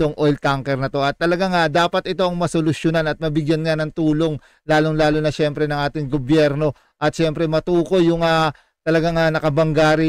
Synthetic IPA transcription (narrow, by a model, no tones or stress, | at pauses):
oŋʔo̞jlt̪aŋkɛɾnɐt̪o̞ʔɐt̪ːɐlɐɡaŋad̪aːpɐt̪̚ʔɪt̪o̞ʔɐŋmɐsolʊsjonanɐt̪̚mɐbɪɡjanŋanɐŋt̪uːlo̞ŋ | laːloŋlaːlonɐʃɛmpɾɛnɐŋʔaːt̪ɪŋɡobjɛɾno̞ | ʔɐt̪̚ʃɛmpɾɛmɐt̪uːko̞jːʊŋa | t̪ɐlɐɡaŋanɐkɐbɐŋɡaːɾɪ